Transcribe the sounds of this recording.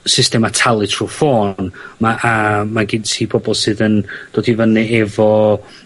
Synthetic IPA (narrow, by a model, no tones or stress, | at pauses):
sɪstɛmatʰalˠɨtʰrufoːnmaʔamaɡɪdsʰiːpʰɔbɔlˠsɨːðənd̥oːdivənɨɛvɔ